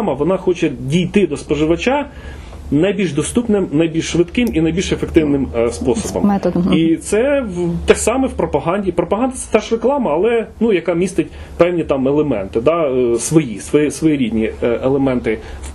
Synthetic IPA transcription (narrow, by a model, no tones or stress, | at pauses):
mɐʋɔnɑxɔt͡ʃɛdʲijt̪ɪd̪ɔspɔʒɪʋɐt͡ʃɑ | nɐjbʲilʲʒd̪ɔst̪upnɪmnɐjbʲilʲʃʃʋɪt̪kɪminɐjbʲilʲʃefekt̪ɪwnɪmspɔsɔbɔ̰mɛit̪sɛwt̪ɛsɑmɛwpɾɔpɐɦɑnʲdʲipɾɔpɐɦɑnd̪ɐt̪sɛ̥t̪ɛʃreklˠɑmɐːlˠɛnujɐkɑmʲist̪ɪt̚ʲ | pɛwnʲit̪ɑmɛlˠemɛ̰nt̪ɪd̪ɑsʋɔjisʋɔisʋɔjiɾʲid̪ʲnʲielˠemɛnt̪ɪ